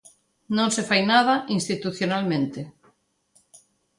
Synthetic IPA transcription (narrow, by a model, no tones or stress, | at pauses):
nõnsefajnað̞aʔinst̪it̪uθjonalmẽnt̪e